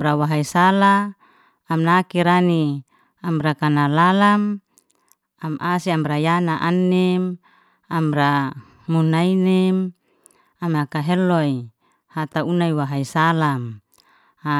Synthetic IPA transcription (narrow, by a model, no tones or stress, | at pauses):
ɾawaɦaisalaː | mnakiɾani | amɾakanalalam | amʔasiamɾajanaʔanːɛm | amɾa | munainɛm | amakaɦɛlɔi | hat̪aunaiwaɦaisalam | a